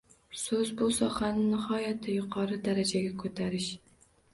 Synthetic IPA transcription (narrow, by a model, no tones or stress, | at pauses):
sɵzbusɒχanɪnɨhɒjat̪ʰːajʊqʰɑɾɨd̪aɾad͡ʒaɡʲakʰɵt̪ʰaɾɪʃ